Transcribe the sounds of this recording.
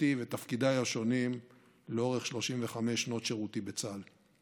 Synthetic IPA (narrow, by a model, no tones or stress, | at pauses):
ivet̪afkid̪ajaʃo̞nim | leo̞ʁeχʃlo̞ʃimve̞χame̞ʃno̞t̪ʃeʁut̪ibe̞t͡sal